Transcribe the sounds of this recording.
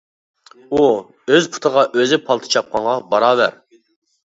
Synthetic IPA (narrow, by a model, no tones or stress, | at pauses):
u | øzpʰu̥t̪ʰəʁɑʔøzɪpʰɑlˠt̪ʰɨ̥t͡ʃʰɑp̚qʰɑŋʁɑbɑɾɑːvæɾ